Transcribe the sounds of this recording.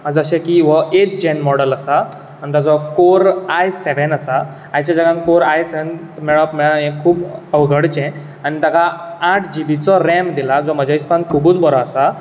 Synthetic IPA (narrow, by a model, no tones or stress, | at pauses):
ad͡zəɕẽkiʋəʔeʈ̚d͡ʑɛnmɔɽələsa | anit̪at͡sɔkoɾajseʋənasa | ajt͡ɕad͡zaɡãnkoɾajseʋnt̪mɛɭɔpmɛɭãjẽkʰːuːbəʋɡʱəɽt͡ɕɛ̃ | anit̪akaaʈʰd͡ʑibit͡sɔɾɛmd̪ilad͡zɔməd͡ʑʱaispãnkʰuːbuːt͡sbəɾɔːsa